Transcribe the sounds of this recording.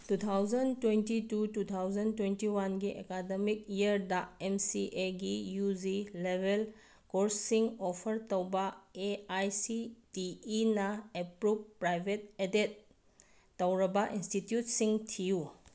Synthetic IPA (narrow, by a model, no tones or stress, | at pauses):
tut̪ʰawzɐntwentitutut̪ʰawzɐntwentiwanɡiʔḛkademik̚iəɾdaemsiʔeɡijuzilebʱel | koɾsːiŋɔpʰɐɾtowbaeajsitiːnɐepɾub̚pːɾajbʱet̚edet̚ː | ɐwɾɐbɐʔinstitjutsiŋtʰiju